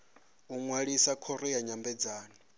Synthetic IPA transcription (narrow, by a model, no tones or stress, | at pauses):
uŋwaɺisakʰɔɾɔjaɲambɛd͡zaːnɔ